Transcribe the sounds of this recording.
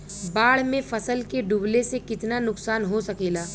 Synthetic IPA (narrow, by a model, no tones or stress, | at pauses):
baːɽ̤mẽfɐsəlkeɖuːblesekɪt̪nanʊksaːnɦosɐkeːlaː